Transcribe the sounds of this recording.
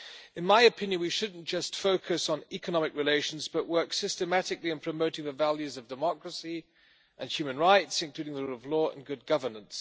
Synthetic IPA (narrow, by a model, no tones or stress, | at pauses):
ɨ̃nmaɪɨpʰɪ̃njɨ̃nwiʃʊdⁿn̩d̥ʒ̥ʌstfoʊkʰɨsn̩ɛkənɑmɨkɹɨleɪʃn̩zbʌʔwɜ˞ksɪstɨmæɾɨkliɨ̃npʰɹ̥ɨmoʊɾɪ̃ŋɨvælˠjʉzʌvdɨmɑkɹəsi | ʔɨ̃nhjʉmɨ̃nɹaɪtsɨ̃nkʰl̥ʉɾɪ̃ŋðəɹulˠʌvlɔə̰̃nɡʊd̚ɡʌvə˞nə̃ns